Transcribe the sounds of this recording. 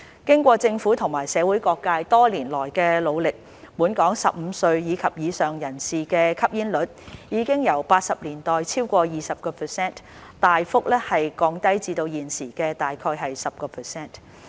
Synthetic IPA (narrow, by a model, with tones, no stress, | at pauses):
kɪ˥ŋkʷɔː˧t͡sɪ˧ŋfuː˨˥t̪ʰʊ˨˩ŋmaː˨˩jsɛː˨˧wuː˨˥jkɔː˧kːaː˧jt̪ɔː˥liː˨˩nlɔː˨˩jkɛː˧lo˨˧wlɪ˨k̚ | muː˨˥nkɔː˨˥ŋsɐ˨p̚m̩ː˨˧sɵ˧ɥjiː˨˧kʰɐ˨p̚jiː˨˧sœː˨˩ŋjɐ˨˩nsiː˨kɛː˧kʰɐ˥p̚jiː˥nlɵ˨˥t̚jiː˨˧kɪ˥ŋjɐ˨˩wpaː˧t̚sɐ˨p̚liː˨˩nt̪ɔː˨˩jt͡sʰiː˥wkʷɔː˧jiː˨sɐ˨p̚kɔː˧pʰəː˨˩sɛː˥˩n | t̪aː˨jfʊ˥k̚lɛː˥hɐ˨jkɔː˧ŋt̪ɐ˥jt͡siː˧t̪o˧wjiː˨nsiː˨˩kɛː˧t̪aː˨jkʰɔː˧jɦɐ˨jsɐ˨p̚kɔː˧pʰəː˨˩sɛː˥n